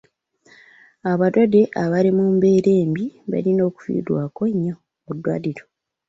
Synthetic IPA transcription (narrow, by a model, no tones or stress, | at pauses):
aβadwade̞ʔaβalimumbe̞ːɾe̞ːmbiβa̰lino̞ːku̥fḭːdwaːkoɲːo | udːwa̰liɾo